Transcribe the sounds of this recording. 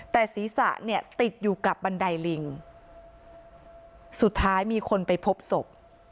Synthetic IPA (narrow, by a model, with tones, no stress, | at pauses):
t̪ɛː˨˩siː˩˦sa̰˨˩ʔni˥˩ɐt̪i˨˩t̪̚juː˨˩ka˨˩p̚ba˧nda˧jli˧ŋ | su˨˩t̪ʰːaː˦˥jmiː˧kʰo˧npa˧jpʰo˦˥p̚so˨˩p̚